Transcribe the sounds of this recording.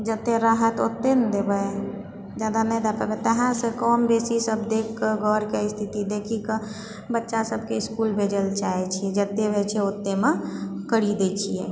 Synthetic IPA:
d͡ʒət̪ːeɾaɦət̪ot̪ːend̪ebəj | d͡ʒad̪anɛjd̪apəbɛt̪əɦãsekɔmbesisəbd̪ekkːəɡʱɔɾkeist̪ʰit̪id̪ekʰikə | bətːʃasəb̚ʱkeɪskulbʱed͡ʒəlt͡ʃaet͡ʃʰiɛd͡ʒət̪ːebʱɛt͡ʃʰɛot̪ːemekəɽid̪et͡ʃʰijḛ

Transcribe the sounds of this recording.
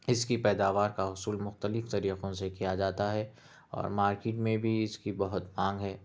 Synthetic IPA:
ɪskipɛːd̪aːʋaːɾkaɦʊsuːlmʊxt̪əlɪft̪ɐɾiːqõsekijad͡ʒaːt̪aɦɛ | ɔ̰ːɾmaːɾkɪːʈmẽbʱiɪskibɐɦʊt̪mãːŋɡɦɛː

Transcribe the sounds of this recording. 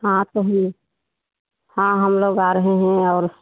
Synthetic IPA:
ɦãt̪oɦ | hãɦəmloːɡaɾəɦeɦɛ̃ɔːɾs

